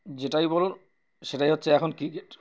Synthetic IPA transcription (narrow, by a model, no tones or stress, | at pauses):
d͡ʑeʈajbɔlo | ʃeʈajɦotːɕʰeɛkʰonkɾikeʈ